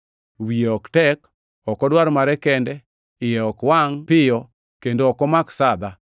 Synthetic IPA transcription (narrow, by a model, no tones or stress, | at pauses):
wijeɔktɛk | ɔkɔdwaɾmaɾɛkɛndɛ | ɪjɛɔkwaŋpɪjɔ | kendoɔkɔmaksad̪a